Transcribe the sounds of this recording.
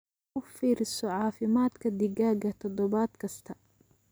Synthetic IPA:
ʊfiːɾɪsɔʕɑːfɪmaːd̪kʰɐd̪ɪɡaːɡɐt̪ʰɔd̪ɔβaːd̪kʰɐst̪ʰɐ

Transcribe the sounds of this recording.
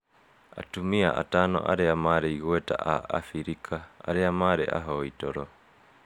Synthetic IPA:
a̰tumia̰ʔa̰tanɔ̰ʔa̰ɾeamaɾeiɣwɛta̰ʔaa̰fiɾikʰaa̰ɾeamaɾeʔa̰ɦɔitɔɾɔ

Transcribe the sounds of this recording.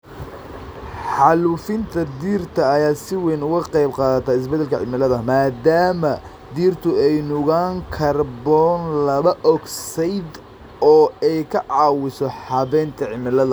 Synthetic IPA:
ħɑluːfɪnt̪ʰɐd̪iːrt̪ʰɐːjaːsɪwɛjnʊɣʊqɑjbqɑːðɐt̪ʰaːɪs̬bɛd̪ɛlkʰɐʕɪ̰mɪlɐðɐmaːd̪aːmɐ | d̪iːrt̪ʰʊɛjnʊɣaːŋkʰɐrbɔːnlɐβɐʔɔɡsɛjd̪ | ɔːɛjkʰɐʕɑːwɪsɔħɑβɛːnt̪ʰɐʕɪmɪlɐðɐ

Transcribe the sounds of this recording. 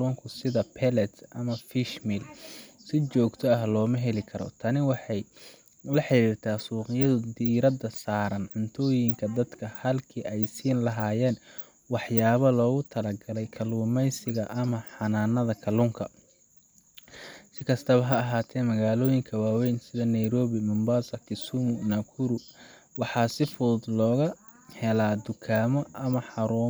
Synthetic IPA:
luːŋkʰʊsɪðɐpʰɛlɛt̪ʔɐmɐfiʃmilsɪt͡ʃɔːɡt̪ʰɔɐɦlɔːmɐɦɛlɪkʰɐɾɔ̰t̪ʰɐnɪwɑħɑj | lɐħɪɾiːrt̪ʰaːsuːqɪjɐðʊd̪iːɾɐd̪ɐsaːɾɐnʕʊnt̪ʰɔːjɪŋkʰɐd̪ɐd̪kʰɐhɐlkʰiːʔɛjsiːnlɐɦaːjɛːn | wɑħjaːβɐlɔːɣʊt̪ʰɐlɐɡɐlɛjkʰɐluːmɛjsɪɣɐʔɐmɐħɑnaːnːɐðɐkʰɐluːŋkʰɐ | sɪkʰɐst̪ʰɐβɐɦɐɐɦaːt̪ʰɛːnmɐɣaːlɔːjɪŋkʰɐwaːwɛjnsɪðɐnɐjɾɔːβɪmʊmbaːsɐkʰɪsumʊnakʰʊɾʊ | wɑħɑːsɪfʊd̪lɔːɣɐ | hɛlaːd̪ʊkʰaːmɔʔɐmɐħɑɾuː

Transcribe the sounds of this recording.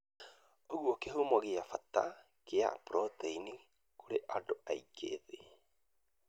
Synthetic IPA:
ookehumoaɡiafat̪a̰ | kea̰pɾʔotejni | kuɾeʔadoʔa̰jkʰḛːði

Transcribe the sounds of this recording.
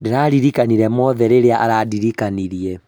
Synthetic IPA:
deɾaɾiɾikaniɾɛmɔðɛɾeɾeaʔaɾadiɾikaniɾiɛ

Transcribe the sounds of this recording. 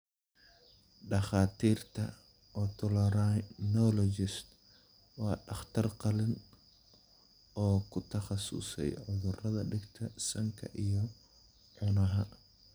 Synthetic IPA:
ɖɑχaːt̪ʰiːrt̪ʰɐ | ʔɔːt̪ʰɔlɾanɔlɔd͡ʒɪst̪ | wɑːɖɑχt̪ʰɐrqɑlɪn | ɔːkʰʊt̪ʰɐχɑsʊ̰sɛ̰jʕʊðʊrɐðɐɖɪɡt̪ʰɐsɐŋkʰɐ̰ʔijɔ | ʕʊnɐɦɐ

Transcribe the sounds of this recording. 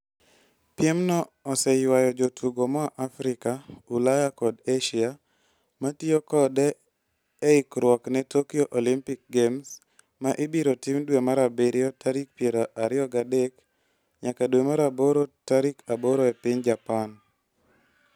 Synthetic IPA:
pjɛmnɔːsɛjwajɔd͡ʒotʰuɡomɔaʔafɾɪkaulajakɔdeʃia | matiokɔdɛː | ɪkɾwɔknɛtokioʔolimpɪk̚ɡems | maʔɪbiɾotimdwemaɾabeɾjɔtaɾik̚pjeɾoʔaɾɪɔɡadɛk | ɲakadwemaɾaboɾotaɾikaboɾoepɪɲd͡ʒapan

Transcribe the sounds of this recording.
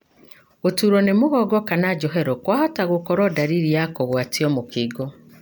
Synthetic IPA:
ɣotuɾɔnemoɣɔɡɔkanad͡ʒɔɦɛɾɔkwahɔtaɣokɔɾɔdaɾiɾijakoɣwatiɔmokiɡɔ

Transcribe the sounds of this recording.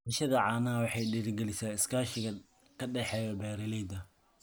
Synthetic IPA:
ɐʃɐðɐʕɑːnaːwɑħɑjɖiːɾɪɡɛlɪsaːɪskʰaːʃɪɣɐ | kʰɐɖɛħɛːjɔbɛːɾɪlɛjd̪ɐ

